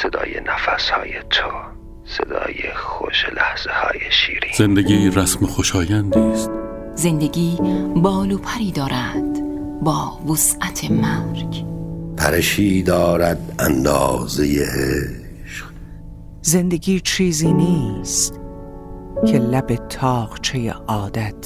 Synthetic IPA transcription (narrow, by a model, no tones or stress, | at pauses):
sed̪ɒ̰ːjḛnæfæshɒ̰ːjet̪ʰo | sḛd̪ɒ̰ːjḛxo̰ʃelæhz̥ehɒ̰ːjeʃiːɾiːz̥end̪eɡiːɾæsmexoʃɒːjænd̪iːst̪̚ | ze̞nd̪eɡiːbɒːloːpʰæɾiːd̪ɒːɾæd̪̥ | bɒːvosʔæt̪ʰemæɾɡpʰæ̰ɾeʃiːd̪ɒːɾæd̪ænd̪ɒ̰ːzejehe | ʃq | zend̪eɡiːt͡ʃʰiːziːniːst̪ | kʰe̞læbet̪ʰɒːqt͡ʃʰejḛʔɒːd̪æt̪ʰ